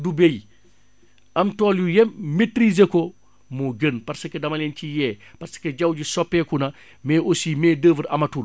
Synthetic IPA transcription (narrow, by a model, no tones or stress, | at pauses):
dubej | ɐmtɔːljujɛmetɾizekɔ | muɡənpɐɾsɐkːɛdɐmɐlɛncijɛːpɐrsɐ̥keɟɐwɟisɔpːɛkunɐ | mɛːʔosiːmɛːdəːvəɾɐ̰mɐtul